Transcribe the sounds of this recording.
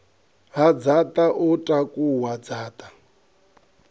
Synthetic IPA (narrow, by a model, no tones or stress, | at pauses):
ɦad͡zatʼaʔutʼakʼuwad͡zaːt̪ʼḁ